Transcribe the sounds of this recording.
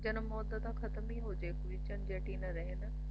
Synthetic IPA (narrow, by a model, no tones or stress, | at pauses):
d͡ʑɐnmɔːd̪əd̪axɐt̪miɦod͡ʑeːkʊt͡ɕənd͡ʑeːʈinɐɾɐɦɪn